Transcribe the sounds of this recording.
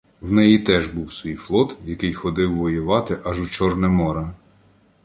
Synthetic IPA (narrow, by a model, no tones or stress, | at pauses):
wnɛjit̪ɛʒbuwsʋʲijflˠɔt̪jɐkɪjxɔd̪ɪwːɔjʊʋɑt̪ɪʔɑʒʊt͡ʃɔrnɛmɔɾɐ